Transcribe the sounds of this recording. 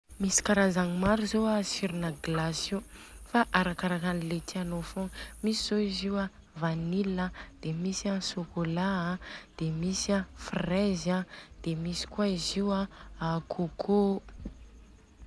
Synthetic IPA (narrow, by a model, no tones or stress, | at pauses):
misi̥kaɾazaŋmaɾuzoasiɾinəɡlasufaʔaɾakaɾakanilet̪ianofoŋmisiz̥oiziwa | vaniləd̪̥emisasokolaad̪̥emisiafrezad̪̥emisi̥kwaiziwaakʰokʰo